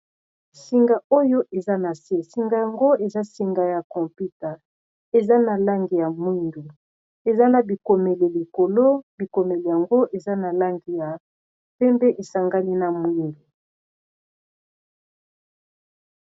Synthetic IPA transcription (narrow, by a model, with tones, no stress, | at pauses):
si˨ŋɡa˨o˦jo˦ʔe˨za˦na˨se˦si˨ŋɡa˨ja˨ŋɡo˦e˨za˦si˨ŋɡa˨ja˨kɔ˨mpi˦ta˨ | e˨za˦na˨la˦ŋɡi˨ja˨mwi˦ndu˨ | e˨za˦na˨bi˨ko˨me˨le˨li˨ko˨lo˦bi˨ko˨me˨le˨ja˨ŋɡo˦ʔe˨za˦na˨la˦ŋɡi˨ja˨ | pe˦mbe˦ʔe˨sa˨ŋɡa˦li˦na˨mwi˦ndu˨